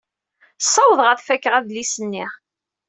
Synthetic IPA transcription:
sˤːɑwəðˤʁəθfækːəʁæðlisənːi

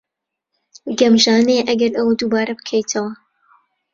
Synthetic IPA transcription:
ɡɐmʒaːneʔɐɡɐɾɐwd̪uːbaːɾɐbɨkʰejt̪ʰɐwɐ

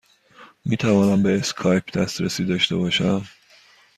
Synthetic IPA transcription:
miːt̪ʰævɒːnæmbe̞ːskʰɒːjpʰd̪æst̪ɾesiːd̪ɒːʃt̪e̞̰bɒːʃæm

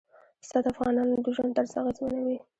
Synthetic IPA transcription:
st̪ɑd̪afɣɑnɑnod̪əʒwand̪əɾzaɣezmanawi

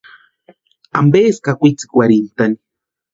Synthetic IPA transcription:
ambeskakʷit͡si̥kwaɾint̪ani̥

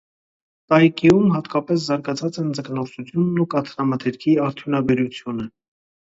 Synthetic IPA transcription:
t̪ɑjkijumhɑt̪kɑpɛs̬zɑɾɡɑt͡sʰɑt͡sɛnd͡zəknɔχsut͡sʰjunːukɑt̪ʰɾɑmɑt̪ʰɛɾkʰiɑɾt̪ʰjunɑbɛɾut͡sʰjunə

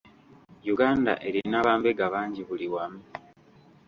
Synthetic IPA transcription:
juɡaːnda̰ʔe̞ɾinaβaːmbeɡaβaːɲɟiβuliwamu

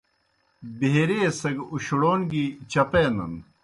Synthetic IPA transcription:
beeɾeːsɐɡuɕuɽoːnɡit͡ɕɐpenɐ̰n

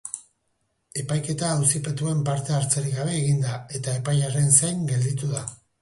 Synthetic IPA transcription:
e̞pajke̞t̪aːwsipe̞t̪ue̞mpaɾt̪e̞aɾt͡seɾiɣɣaβe̞ːɣind̪ae̞t̪ae̞pajare̞nsejŋɡe̞ld̪it̪uða

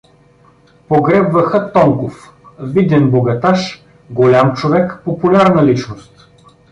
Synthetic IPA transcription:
poɡɾɛbvɐxət̪ɔŋkof | vid̪ɛnboɡɐt̪aʃ | ɡolʲamt͡ʃovɛkpopulʲaɾnɐlit͡ʃnost̪

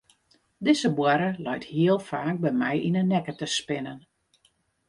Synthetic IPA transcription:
dɪzəbwaɾəlœjthiəlˠfaːk̚bɛmɛjʔinənːɛkətəspɪnən

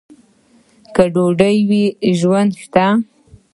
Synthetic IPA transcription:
kəɖoɖəjwiʒwand̪ʃt̪a

